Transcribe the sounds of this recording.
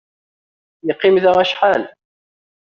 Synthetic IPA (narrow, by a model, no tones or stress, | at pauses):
jəqːimðaʁæʃħal